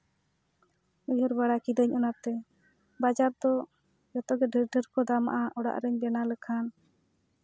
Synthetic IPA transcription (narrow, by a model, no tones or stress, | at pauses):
ujɔɾbaɽakid̪əɲɔnap̚t̪ɛ | bad͡ʒaɾd̪ɔ | jɔt̪ɔɡɛɖʱəɾɖʱəɾkɔd̪ama̰ʔaʔɔɽa̰ʔɾəɲbɛnaləkʰan